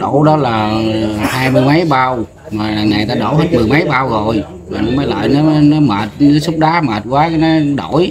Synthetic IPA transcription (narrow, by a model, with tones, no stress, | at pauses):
ɗo˧˩ɗɔ˨˦laː˨˩haː˧jmɨ˧əjmə˨˦jɓaː˧w | maː˨˩laː˨˩ŋaː˨˩jt̪aː˧ɗo˧˩whe˦˥t̚mɨ˨˩əjmə˨˦jɓaː˧wzo˨˩j | maː˨˩nɔ˨˦məː˨˦jlə̰ː˧˨jnɔ˨˦nɔ˨˦məː˨˩t̚nɔ˨˦su˦˥k͡p̚ɗaː˨˦məː˨˩t̚kwaː˨˦ka˨˦nɔ˨˦ɗo˧˩˨j